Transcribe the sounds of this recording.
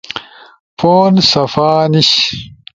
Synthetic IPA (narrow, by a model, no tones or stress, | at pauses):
foːnsɐfaːniɕ